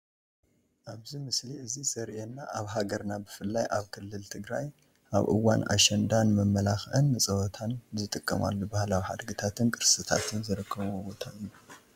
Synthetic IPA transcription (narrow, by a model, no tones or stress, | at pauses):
ʔaβzimɨsliʔɨzisɐɾʔenːaʔaβɦaɡɐɾnabɨfɨlːajʔaβkʰɨlːɨlt̪ʰɨɡɾaj | ʔa̰βʔɨ̰wanʔa̰ʃɛnd̪anmɐmːɐlaxʔɨnːɨt͡sʼɐwɔt̪ʰanzɨt̪ʼɨkʼːɐma̰lːobahlawiha̰d̪ɡɨt̪ʰat̪ʰɨnkʼɨɾsɨt̪ʰa̰t̪ʰɨnzɨɾɨkʰːɐβuobot̪ʰau